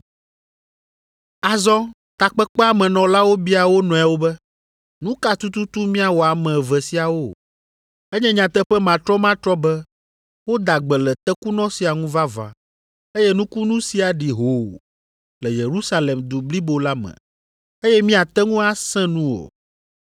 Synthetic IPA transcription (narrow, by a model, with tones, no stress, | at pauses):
a˨zɔ̃˦ | t̪a˨k͡pɛ˦k͡pɛ˦a˦mɛ̃˨nɔ̃˨la˦wo˦bi˦a˨wo˦nɔ̃˨ɛ˨wo˦bɛ˦ | nũ˦ka˦t̪u˦t̪u˦t̪u˦mĩ˦a˨wo˨a˨mɛ̃˨vɛ˨si˨a˨wo˦ | ɛ˦ɲɛ̃˦ɲã˨t̪ɛ˦ɸɛ˦mã˨t̪ɾɔ˦mã˦t̪ɾɔ˦bɛ˦ | wo˦d̪a˨ɡ͡bɛ˨lɛ˨t̪ɛ˦ku˦nɔ̃˦si˨a˨ŋũ˦va˦va̰˨ | e˦jɛ˦nũ˦ku˦nũ˦si˦a˨ɖi˨ɦo̰˨ | lɛ˨je˨ɾu˦sa˦lɛ˨md̪u˨bli˦bo˨la˦mɛ̰̃˨ | e˦jɛ˦mĩ˦a˨t̪ɛ˦ŋũ˦a˦sɛ̃˦nũ˦wo̰˨